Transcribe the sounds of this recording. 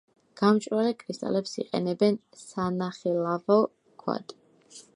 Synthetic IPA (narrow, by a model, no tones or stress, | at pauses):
ɡ̥amt͡ʃʼɾalɛkʼɾist̪ʼa̰lɛpsḭqʼɛ̰nɛbɛn | sanaχɛlavɔ | kʰwa̰d̪ʼ